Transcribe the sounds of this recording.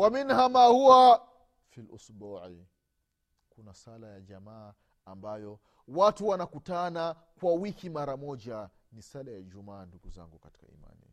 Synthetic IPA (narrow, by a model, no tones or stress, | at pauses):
waminhamahuwa | filṵsbuːʕi | kunasalajaʄamaː | ambajɔ | watuwanakutanakwawikimaɾamɔd͡ʒa | nisalajaiʄumaːnduɡuza̰ŋɡukati̥ka̰ḭma̰nḭ